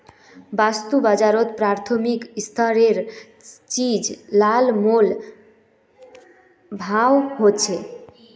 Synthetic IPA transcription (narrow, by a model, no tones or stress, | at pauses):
bast̪ubad͡ʑaɾot̪pɾaɾt̪ʰomikst̪ʰaɾeɾ | t͡ɕid͡ʑlalmol | bʱawɦot͡ɕʰe